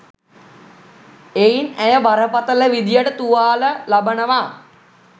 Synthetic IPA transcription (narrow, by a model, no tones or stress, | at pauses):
einæjəʋaɾəpat̪ələʋid̪ijəʈət̪uʋaːləlabənəʋaː